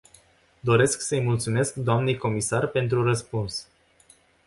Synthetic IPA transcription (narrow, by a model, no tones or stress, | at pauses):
d̪o̞ɾe̞sksəjmult̪sume̞skd̪oamne̞jko̞misarpe̞nt̪ɾurəspuns